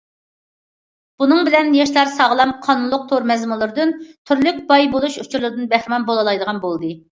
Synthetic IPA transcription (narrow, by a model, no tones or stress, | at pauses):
b̥unɨŋbɪlɛnjɑʃlˠɑɾsɑʁlˠɑmqʰɑnunlˠʊq̚t̪ʰoɾmɛzmɨlˠɨɾɨd̪ɨnt̪ʰyɾlyk̚ʲbɑjbolˠuʃut͡ʃʰuɾlˠɨɾɨd̪ɨnbæχɾɪmɑnbolˠɑlˠɑjd̪əʁɑnbolˠd̪ɨ